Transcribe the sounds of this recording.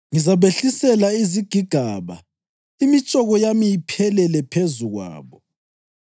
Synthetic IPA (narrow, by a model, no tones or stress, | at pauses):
ŋizaβeɬisɛlaiziɡ̥ʱiɡ̥ʱaβa̰ | imit͡ʃʼɔɣɔjamijipʰɛlɛlɛpʰezuɣwa̰ːβɔ